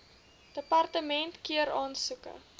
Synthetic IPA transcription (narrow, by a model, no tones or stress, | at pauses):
d̥əpɐrtəmɛntkiəɾɑːnsukə̰